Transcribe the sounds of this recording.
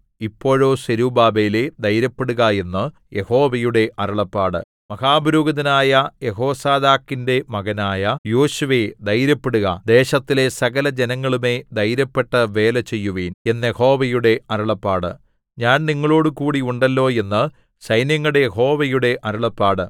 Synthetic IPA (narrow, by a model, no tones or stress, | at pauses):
ipːo̞ːɻo̞ːseɾubaːbeːled̪ɐjɾɐpːeɽuɣɐe̞nːɨ | je̞ho̞ːʋɐjuɽe̞ʔɐɾɐɭɐpːaːɽɨ̰ | mɐhaːbɐɾuːɡɐðɐnaːjɐjeɦo̞ːsaːd̪aːkːinde̞mɐɣɐnaːjɐjo̞ːɕuʋed̪ɐjɾɐpːeɽuɣɐ̰d̪e̞ːɕɐt̪ːile̞sɐɣɐlɐd͡ʑenɐŋːɐɭume̞d̪ɐjɾɐpːe̞ʈːɐʋe̞ːlɐt͡ɕe̞jːuʋeːne̞nːjeho̞ːʋɐjuɽe̞ɐɾɐɭɐpːaːɽɨ̰ | ɲaːnniŋːɐɭo̞ːɽɨkuːɽiuɳɖɐlːo̞ːe̞nːɨ | sɐjnjɐŋːɐɽejeɦo̞ːʋɐjuɽe̞ʔɐɾɐɭɐpːaːɽɨ